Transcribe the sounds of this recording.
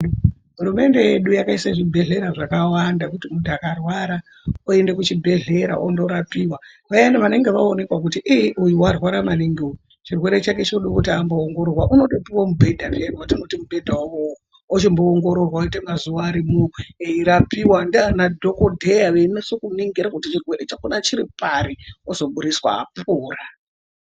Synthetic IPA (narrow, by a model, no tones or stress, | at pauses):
ɦuɾume̞nde̞je̞ɗujakaisaʐibʱe̞ɮe̞ɾaʐakawandakutimuntakarwaɾa | oende̞kut͡ʃibʱe̞ɮe̞ɾa̰ʔondo̞ɾapiwa | ʋaendaʋane̞ŋɡe̞ʋaone̞kwak̬utiʔiʔujuwarwaɾamaniŋɡioju | t͡ʃirwe̞ɾe̞t͡ʃaket͡ʃoɗokutiamboːŋɡo̞ɾorwaʔuno̞ɗepiwamubʱe̞dʱapienwatino̞timubʱe̞dʱawao | ot͡ʃimboːŋɡo̞ɾorwaoitemazuʋaːɾimueiɾapiwandanadʱo̞kodʱejaʋenesokuniŋɡiɾakutit͡ʃirwe̞ɾet͡ʃakunat͡ʃiɾipaɾiozo̞ɓuɾiswa̰ːpuːra